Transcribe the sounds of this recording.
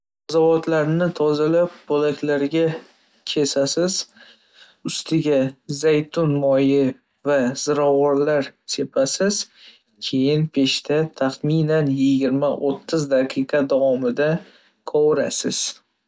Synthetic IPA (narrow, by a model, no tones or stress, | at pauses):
azavɒt̪laɾnɪt̪ʰɒzalap̚bolakʲlaɾɡʲa | kʲʰe̞sasɪz | ʊst̪ʰɪɡʲazajt̪ʰʊnmɒjɪ | vaz̥ɪɾɒwɒɾlaɾsʰe̞pʰasɪz̥ | kʲʰe̞jɪnpʰe̞ʃt̪ʰat̪ʰaχminanjɪɡʲɪɾmaʔot̪ʰːɪzd̪aqʰɨqʰɑd̪avɒmɪd̪a | kʰɒwɾa̰sɪz̥